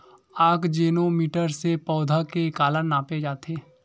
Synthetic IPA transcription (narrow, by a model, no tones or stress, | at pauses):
aːkd͡ʒeːnomiːʈəɾsepɔːd̪ʱakekaːlənnaːped͡ʒaːt̪eː